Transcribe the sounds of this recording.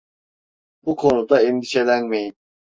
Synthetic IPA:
b̥ukʰo̞nud̪aɛnd̪iʃe̞lʲænme̞jin

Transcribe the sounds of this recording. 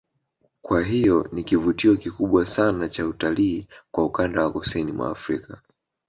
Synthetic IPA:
kwaɦijɔnikivutiɔkikuɓwasanat͡ʃautaliːkwaukandawakɔsɛnimwʔa̰ːfɾika

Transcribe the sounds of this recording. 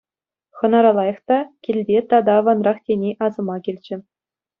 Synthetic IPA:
χɤ̆nɑɾɑlˠɑjɤ̆χt̪ɑkʲilʲdʲet̪ɑd̪ɑʋɑnrɑχtʲenʲeʔɑzɤ̆mɑkʲilʲd͡ʑɘ̆

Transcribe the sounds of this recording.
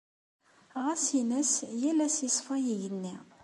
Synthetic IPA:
ʁæsinæsjælːæsisˤfæjiʝənːi

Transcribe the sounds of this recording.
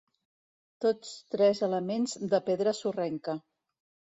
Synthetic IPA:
t̪ot͡st̪ɾɛzələmenzd̪əpeðɾəsurɛŋkə

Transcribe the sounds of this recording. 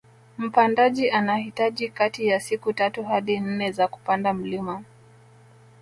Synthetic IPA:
m̩pandaʄiʔanahitaʄikatijasikutatuɦaɗin̩nɛzaku̥pandam̩lima

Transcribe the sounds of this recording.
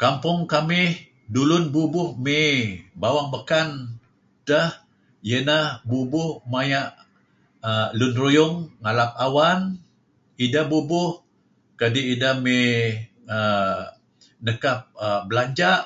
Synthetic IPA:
kampʊŋkamɪh | dulʊnbubʊhmebawaŋbəkan | təh | jənahbubʊhmajaʔ | əlʊnrujʊŋːalap̚awan | idabubʊh | kadiidame | ə | nəkap̚əbəlaɲd͡ʒaʔ

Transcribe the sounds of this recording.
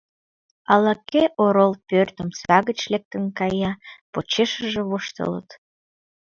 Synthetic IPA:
ɑlɑkeʔoɾolpørt̪əmt͡sβɑɣət͡ɕlek̚t̪ənkɑjɑpot͡ɕeʃəʒĕβoʃt̪ə̰lə̰t̪

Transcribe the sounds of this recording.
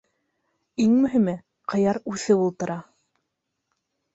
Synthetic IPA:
iŋmɵ̆ɦimɘ | qʰɤ̆jɑɾʉθɘulˠt̪ɤ̆ɾʔɑ

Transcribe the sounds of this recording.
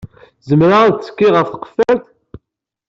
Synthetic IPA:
zəmɾat͡sːə̥kːiʁəfθə̥qə̥fælθ

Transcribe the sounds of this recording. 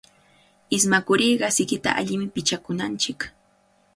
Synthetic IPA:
ɪsmakʊɾiːɢɑsɪkɪt̪a̰ʔa̰ʎɪmɪpɪt͡ʃakʊnant͡ʃɪk

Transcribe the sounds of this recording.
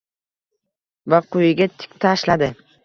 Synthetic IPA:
vaqʰʊjɪɡʲat̪ʰɪ̥kʲt̪ʰaʃlad̪ɪ

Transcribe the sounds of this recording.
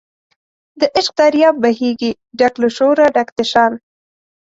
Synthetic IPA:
d̪əʔɪʃq̚d̪aɾjɑbbaɦiɡi | ɖakluʃoɾaɖakt̪ɪʃɑn

